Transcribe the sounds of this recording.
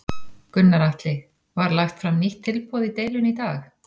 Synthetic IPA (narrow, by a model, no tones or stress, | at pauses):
kʏnːaɾaht̪lɪ | vaɾlajxt̪fɾamniht̪ʰːɪlpɔːðit̪eːjlʏnit̪aːx